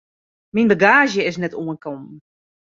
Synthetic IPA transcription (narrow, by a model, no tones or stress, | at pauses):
minbəɡaːʒjəɪs̬nɛtuənkɔm̩